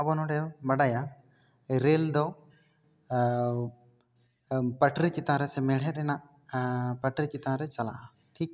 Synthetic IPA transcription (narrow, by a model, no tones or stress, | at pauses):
ɐbɔnɔɖejɔbɐɽaja | ɾeːld̪ɔ | pɐʈɾit͡ʃit̪aːɾɛsemɛɽ̤ɛɾɛna | pɐʈɾit͡ʃit̪aːɾɛt͡ʃɐla̰ | ʈʰiːk̚